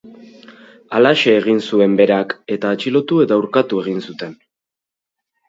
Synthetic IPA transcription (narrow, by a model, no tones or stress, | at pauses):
alaʃe̞ːɣ̞insue̞mbe̞ɾake̞t̪aːt͡ʃilo̞t̪ue̞t̪awɾkat̪ue̞ɣ̞insut̪e̞n